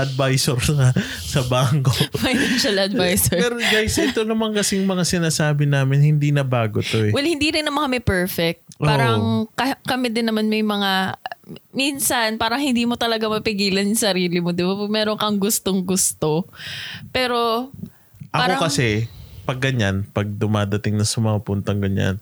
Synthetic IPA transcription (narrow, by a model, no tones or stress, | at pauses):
ʔɐd̪̚vajsoɾsɐ | sɐbaŋkomɐjʃɐlʔɐd̪vajsɛɹpɛɾɡajsɐʔɪt̪onɐmankɐsɛjʊŋmɐŋasɪnaːsaːbɪnaːmɪnhɪnd̪inɐbaːɡot̪oɛwɛlhɪnd̪iːɾɪnːɐmanŋkɐmɛpɛɹfɛk̚t̪̚ʔaːɾɐŋkɐkɐmɪd̪ɪnːɐmanmɐjmɐŋa | minsɐnpaːɾɐŋhɪnd̪iːmo̞t̪ɐlɐɡamɐpɪɡiːlɐnjʊŋsɐɾiːlɪmod̪ɪbapɐmɛːɾoŋkɐŋɡʊst̪oŋɡʊst̪o̞ | pɛːɾo̞ | ʔɐaːɾoɐkɐsɛpɐɡːɐɲanpɐɡ̚d̪ʊmaːd̪ɐt̪ɪŋnɐsɐmɐŋɐpunt̪ɐŋɡɐɲa̰n